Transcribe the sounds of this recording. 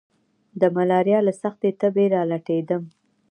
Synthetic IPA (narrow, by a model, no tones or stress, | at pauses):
d̪əmalɑɾjɑlasaxt̪et̪əbeɾɑlaʈed̪əm